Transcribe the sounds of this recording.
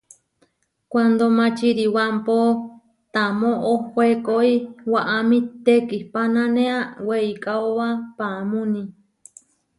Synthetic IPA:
kʷand̪omãt͡ʃiɾiwampo | t̪amõʔohoekoiwaʔamĩt̪ekihpanãnẽaweikʼaoβapamũnĩ

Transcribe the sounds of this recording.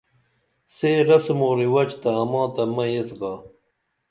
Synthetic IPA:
seːɾɐsmoːɾiwɐt͡ɕt̪ɐːmɑ̃ːt̪ɐmɐjesɡɑː

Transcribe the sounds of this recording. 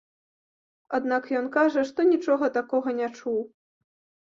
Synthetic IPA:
ad̪nakjɔnkaʐɐʂt̪ɔnʲit͡ʂɔɣɐt̪akɔɣɐnʲat͡ʂuw

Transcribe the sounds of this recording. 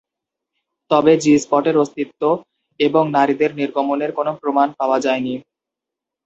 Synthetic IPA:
t̪ɔbed͡ʑispɔʈeɾost̪it̪ːo | eboŋnaɾid̪eɾniɾɡomoneɾkonopɾomanpaoad͡ʑaeni

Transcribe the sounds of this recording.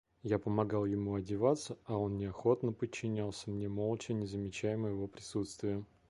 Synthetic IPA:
japəmɐɡɑlˠjɪmuɐdʲɪvat̪sːəɐo̞nnʲɪɐxo̞t̪nəpət͡ɕːɪnʲalˠsʲəmnʲemo̞lˠt͡ɕɪnʲɪzəmʲɪt͡ɕæjɪməjɪvopɾʲɪsut̪st̪vʲɪjə

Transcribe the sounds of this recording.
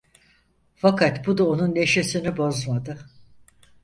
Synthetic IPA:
fakʰat̪bud̪aonunːe̞ʃesinibo̞zmad̪ɯ

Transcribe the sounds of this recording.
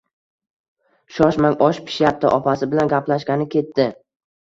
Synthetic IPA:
ʃɒʃmaŋʔɒʃpʰɪ̥ʃjap̚t̪ɪ̰ʔɒpasɪbɪlanɡʲaplaʃɡʲanɪkʲʰe̞t̪ːɪ

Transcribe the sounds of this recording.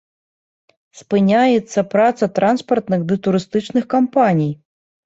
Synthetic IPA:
spɨnʲajɛt̪sːɐpɾat̪sɐt̪ɾanspɐrt̪nɨxd̪ɨt̪uɾɨst̪ɨt͡ʂnɨxkampanʲij

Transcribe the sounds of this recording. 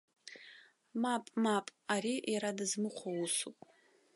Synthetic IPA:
mapʼmapʼaɾijaɾadɨzmɨqʷʰawusupʼ

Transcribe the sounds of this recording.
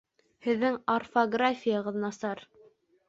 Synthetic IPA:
hɘ̆ðːɘŋorfoɡrafʲijɑʁɤ̆ðnɑsɑɾ

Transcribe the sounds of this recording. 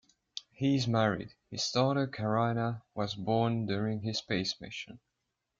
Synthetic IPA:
hiɪzmæɹḭd̥hɨz̥stɑːˑɾəkʰəɹaɪnəwʌzbɔːndʊɹɪ̃ŋɪz̥speɪsmɪ̰ʃɨ̰̃n

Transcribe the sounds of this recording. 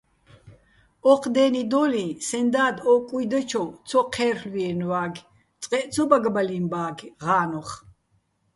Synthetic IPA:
ɔqʰd̪ɛːnid̪ɔlisɛnd̪aːd̪ɔkʼujd̪at͡ʃʰɔw̪t͡sʰɔqʰɛːrlwiɛnwaːɡ | t͡sʼqʼɛʔt͡sʰɔbaɡbalimbaːɡʁaːnɔχ

